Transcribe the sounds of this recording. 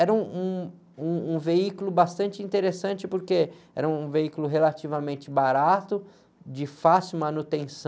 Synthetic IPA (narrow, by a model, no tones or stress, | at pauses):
ɛɾɐũũ | ũũveikʊlʊbast̪ɐ̃nt͡ʃɪĩnt̪eɾesɐ̃nt͡ʃɪpoɾkeɛ̰ɾɐũũveikʊlʊɦelat͡ʃivɐmẽnt͡ʃɪbaɾat̪ʊ | d͡ʒɪfasumɐ̃nut̪ẽsɐ̃